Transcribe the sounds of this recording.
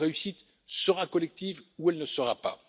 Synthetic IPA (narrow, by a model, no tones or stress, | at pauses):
ʁeysit̪ | səʁakɔlɛk̚t̪ivuɛlnəsəʁapa̰